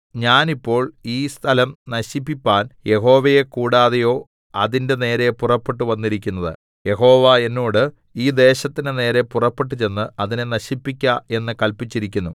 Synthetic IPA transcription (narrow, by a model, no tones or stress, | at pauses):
ɲaːnipːo̞ːɭiːst̪ʰɐlɐmnɐɕipːipʲːaːnje̞ɦo̞ːʋɐjekuːɽaːðejo̞ː | ɐðinde̞ne̞ːɾe̞purɐpːe̞ʈ̬ːɨʋɐnːiɾik̬ʲːunːɐðɨ̰ | je̞ɦo̞ːʋae̞nːoːɽɨ | iːd̪e̞ːɕɐt̪ːinɨne̞ːɾe̞purɐpːe̞ʈ̬ːɨt͡ɕe̞nːɨɐðinenɐɕipːikʲːɐe̞nːɨkɐlpit͡ɕːiɾikʲːunːu